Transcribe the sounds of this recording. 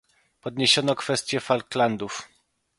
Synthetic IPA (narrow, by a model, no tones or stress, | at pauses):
pɔd̪ɲeɕɔnɔkfɛst̪ʲjɛfalkland̪uf